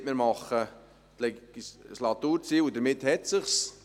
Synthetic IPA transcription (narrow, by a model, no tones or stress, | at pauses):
tmɪɾmɑχə | t̪lɛslɑt̪uːɾt͡siːlud̪əɾmɪt̪hɛtsəχs